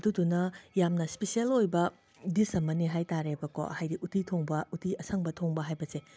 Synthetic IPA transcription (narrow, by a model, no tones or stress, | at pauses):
dudunɐjamnɐspesielojbɐ | disɐmɐniɦajtaɾebɐko̰hajɾiʔutitʰoŋbɐutiɐsʰɐŋbɐtʰoŋbɐɦajbɐse